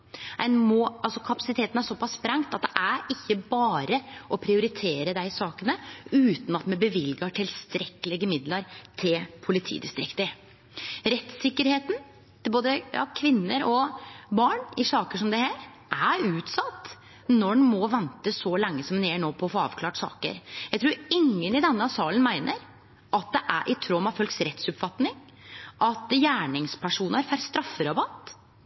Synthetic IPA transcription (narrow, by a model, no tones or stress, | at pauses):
ænmɔʔɑlsɔkʰɑpɑsɪt̪ʰeːt̪n̩æʂɔpʰɑsːpɾɑŋt̪ɑt̪̚d̪ɛʔæɾɪçːəbɑːɾəʔɔpʰɾɪʊɾɪt̪ʰeːɾəd̪æɪsɑːkənəʉːt̪n̩ɑt̪mɛbəʋɪlɡɑʈʰɪlst̪ɾɛkːəlɪɡəmɪd̪ləɾt̪ʰɪlpʰʊlɪt̪ʰḭːd̪ɪst̪ɾɪkt̪ə | ɾɛt̪sɪkːəɾheːt̪n | t̪ɪlboːd̪əjɑ̰ːkʰʋɪnːəɾɔbɑːɳɪsɑːkəʂɔmd̪ɛhæːɾ | ʔæɾʉːt̪sɑt̪ː | nɔmɔʋɛnt̪əsɔlɛŋːəsɔmneːɳoːpʰɔɔfoːɑ̰ːʋkʰlɑːʈsɑ̰ːkə̰ɾjæɪt̪ɾuːɾɪŋːənɪd̪ɛnːəɑsɑːlənmæɪnəɾ | ʔɑt̪̚d̪ɛʔæ̰ɾʔɪt̪ʰɾɔmɑʋfœlksɾɛt̪sʉpfɑt̪nɪŋ | ʔɑt̪jæːɳɪŋspʰæʂuːnəɾfæɾst̪ɾɑfːəɾɑbɑt̪ː